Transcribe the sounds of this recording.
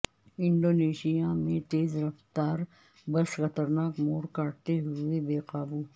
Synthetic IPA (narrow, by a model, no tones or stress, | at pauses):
ɪ̃ɳɖoːneːʃijamẽt̪eːzɾɐft̪aːɾ | bɐsxɐt̪əɾnaːkmoːɾkaːʈ̚t̪eɦʊʊebeːqaːbuː